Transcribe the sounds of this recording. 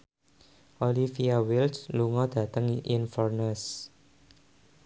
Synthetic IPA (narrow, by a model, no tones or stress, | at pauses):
ʔolifiawilsluŋɔd̪̥ä̤t̪əŋiʔinfɔrnəs